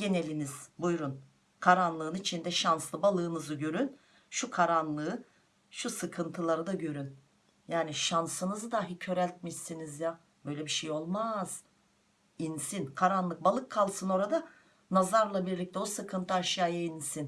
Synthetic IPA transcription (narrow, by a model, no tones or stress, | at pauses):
ɟe̞ne̞lʲiniz̥bujɾun | kʰaɾanlˠɯːnit͡ʃʰind̪ɛʃanslˠɯbalˠɯːnɯzɯɟø̞ɾyn | ʃukʰaɾanlˠɯɯ | ʃusɯkʰɯnt̪ʰɯlˠaɾɯd̪aɟø̞ɾyn | jaːniʃansɯnɯzɯd̪aɦicʰø̞ɾælʲt̪̚miʃsinizja | bø̞jlʲɛbiʃejo̞lˠmaz̥ | insinkʰaɾanlˠɯk̚balˠɯkʰːalˠsɯno̞ɾad̪a | nazaɾlˠabiɾlʲic̚t̪ʰɛosɯkʰɯnt̪ʰɯaʃjaːjainsin